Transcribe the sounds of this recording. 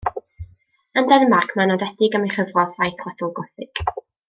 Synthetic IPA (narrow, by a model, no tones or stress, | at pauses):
əndɛnəmakʰmɛnɔdɛdɪɡəmejχəvrɔðajθwatɔlˠɡɔθɪɡ̥